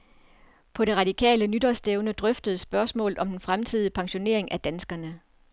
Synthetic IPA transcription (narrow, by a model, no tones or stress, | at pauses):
pʰɒ̽ɾe̝ʁɑ̈d̥ikʰɛ̰ːlənyd̥ɐsd̥eʊnəd̥ʁœfd̥əð̩ˠsb̥ɶɐsmɔ̰ːlð̩ˠɒ̽md̥enfʁamt͡sʰið̞̰ˠipʰɑ̈ŋɕo̝ne̝ɐ̰e̝ŋæd̥ænsɡ̥ɐnə